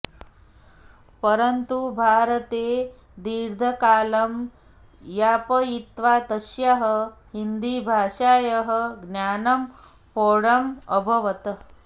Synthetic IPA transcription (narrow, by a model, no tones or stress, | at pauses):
pəɾɐnt̪ubʱaːɾət̪eː | d̪iːɾd̪ʱɐkaːlɐm | jaːpɐit̪ʋaːt̪ɐʃjaɦəɦind̪iːbʱaːʂaːjɐɦə̆ɡnjaːnɐm | poːɽɐməbʱɐʋɐt̪ɐ